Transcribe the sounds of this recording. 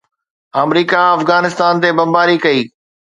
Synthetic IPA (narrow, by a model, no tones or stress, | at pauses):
ɐmɾiːkaɐfɣaːnɪst̪aːnt̪ebɐmbaːɾikɐiː